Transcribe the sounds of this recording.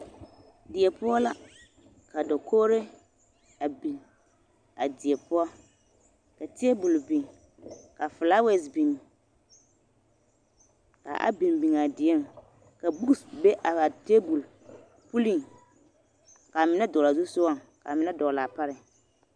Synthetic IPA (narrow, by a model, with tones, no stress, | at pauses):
dɪ˨ɛ˨pʊ˦ɔ˦la˦ | ka˨dɔ˨kʰoː˦ɾe˦ | a˨bi˨n | a˨dɪ˨ɛ˨pʊ˦ɔ˦ | ka˨tɪ˦ɛ˦bu˨lbi˨ŋ | ka˨fla˦we˨sbi˨ni˨ | ka̰˨ʔa̰˦bi˨nbi˨ŋa˨dɪ˨ɛ˦˨m | ka˨bu˦ksbe˦ʔa˨a˨te˦bu˨l | pu˦li˦˨ŋ | ka˨mɪ˨na˦dɔ˨la˨zu˦sʊ˦wa˦˨ŋ | ka̰˨mɪ˨na˦dɔ˨la˨pa˦ɾɪ˨